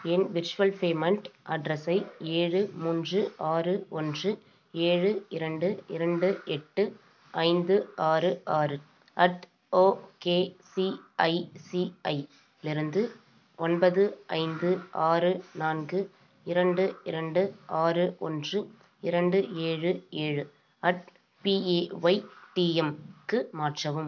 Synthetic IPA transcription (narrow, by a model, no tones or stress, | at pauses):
ɛnʋɪɾt͡ʃɯʋɐlpeːmɐɳʈʔɐɖɾɐsɐɪeːɻɯmuːndrɯʔaːrɯɔndrɯ | eːɻɯɪɾɐɳɖɯɪɾɐɳɖɯɛʈːɯ | ʔɐɪnd̪ɯaːrɯʔaːrɯ | ʔɐʈ | oːkeːsiɐɪsiɐɪ | lɪɾɯnd̪ɯ | ɔnbɐðɯɐ̰ɪnd̪ɯʔaːrɯnaːnɡɯ | ɪɾɐɳɖɯɪɾɐɳɖɯʔaːrɯʔɔ̰ndrɯ | ɪɾɐɳɖɯeːɻɯeːɻɯ | ɐʈ | piːeːʋɐɪʈiːɛmkɯmaːʈrɐʋɯm